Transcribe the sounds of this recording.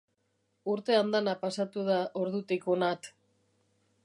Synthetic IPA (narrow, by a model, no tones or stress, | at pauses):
uɾt̪e̞and̪anapasat̪uðaʔo̞ɾðut̪ikonat̪